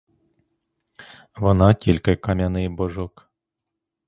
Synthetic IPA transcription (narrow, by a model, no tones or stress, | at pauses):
ʋɔnɑtʲilʲkɪkɐmʲanɪjbɔʒɔk